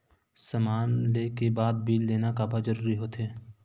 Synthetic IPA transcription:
sɐmaːnleːkebaːd̪̚biːlleːnakaːbad͡ʒəɾuːɾiɦoːt̪ɦeː

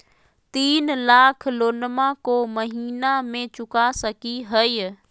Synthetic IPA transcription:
t̪iːnlaːkʰloːnmãkomɐɦiːnamẽt͡ɕʊkasɐkiɦəj

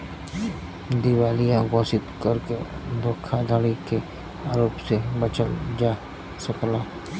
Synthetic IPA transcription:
d̪ɪwaːlijãɡoːsɪt̪kɐɾked̪oːkʰːad̪ʱəɽike | aːɾoːpsebət͡ʃəld͡ʒaː | sɐklaː

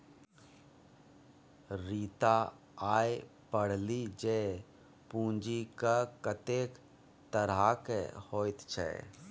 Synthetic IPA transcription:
ɾiːt̪a | aːj | pəɽ̤lid͡ʒe | pũːnd͡ʒikakət̪eːk | t̪əɾakḛhoːt̪t͡ʃʰɛ̰

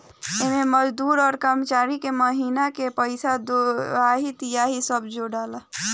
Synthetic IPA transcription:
ememəd͡ʒd̪uɾɔːɾkəɾmət͡ʃaɾikeməɦinakepəɪsad̪oaɦit̪ijaɦisəbd͡ʒoɽalə

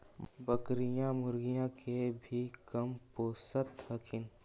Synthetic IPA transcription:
bɐkɾijãmʊɾɡijãkʰebʱikɐmpoːsət̪hɐkʰɪn

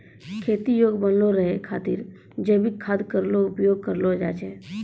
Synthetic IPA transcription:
kʰeːt̪ijoːɡbənloɾəɦekʰaːt̪iːɾ | d͡ʒebikʰːaːd̪kəɾloʊpjoːɡ̚kəɾlod͡ʒa̰ːt͡ʃeː

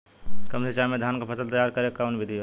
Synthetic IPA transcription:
kəmset͡ʃamed̪ʱankepʰəsəlt̪əjaɾkəɾekawnbid̪ʱi

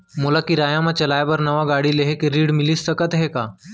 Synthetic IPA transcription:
mulakiɾajãmat͡ʃɐlajbəɾnəʋaɡaɽileɦekeɾiːɽmilisːəkət̪ɦeka

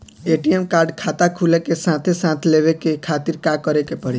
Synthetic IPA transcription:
eʈiemkaɾɖkʰat̪akʰulekesãt̪ʰesãt̪ʰleʋekekʰat̪iɾkakəɾekepəɽi

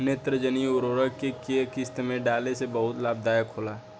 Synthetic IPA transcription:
neːt̪ɾəd͡ʒəniʊɾoːɾəɡkekeːkɪst̪mẽɖaːlesebɐɦʊt̪laːb̚d̪aːjəkɦoːlaː

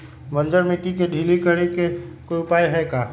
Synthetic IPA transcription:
ʋɐ̃nd͡ʒəɾmit̪ikeɖʱiːlikəɽikekoiʊpaːjɦɛkaː

